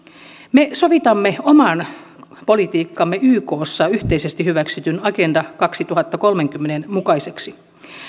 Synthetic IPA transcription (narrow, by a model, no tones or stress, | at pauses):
mesoʋit̪ɑmːeomɑn | po̞lit̪iːkːɑmːeyːko̞ːsːɑyht̪eisest̪ihyʋæksyt̪ynɑke̞ndɑkɑksit̪uɦɑt̪ːɑko̞lmeŋkymːenenmukɑise̞ksi